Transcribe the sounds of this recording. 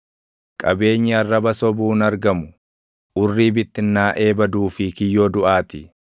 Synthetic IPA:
kʼɐbe̞ːɲːɪɐrːɐbɐsɔbuːnɐɾɡɐmʊ | ʔʊrːiːbɪt̪ːɪnːaːʔe̞ːbɐd̪uːfɪkɪjːo̞ːd̪ʊʔaːt̪ɪ

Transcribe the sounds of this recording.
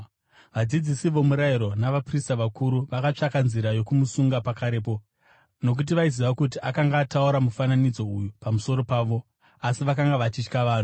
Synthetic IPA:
ʋad͡zid͡zisiʋo̞muɾaiɾo̞naʋapristaʋakʰuɾuʋakat͡ʂakanziɾajo̞kumusuŋɡapakaɾe̞ːpo̞ | no̞k̬ut̬iʋaiziʋakutiʔakaŋɡaːtauɾamufananid͡zo̞ujupamuso̞ɾo̞paːʋo̞ | asiʋakaŋɡaʋat͡ʃit͡ʃkaʋaːn̤u

